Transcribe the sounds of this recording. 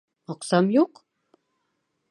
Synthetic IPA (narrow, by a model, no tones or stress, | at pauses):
oqsamjoq